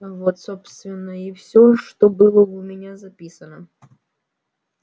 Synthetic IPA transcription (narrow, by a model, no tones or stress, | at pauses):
əvot̪sopst̪vʲɪnːəifsʲoʂt̪obɨlˠəʊmʲɪnʲazɐpʲisənə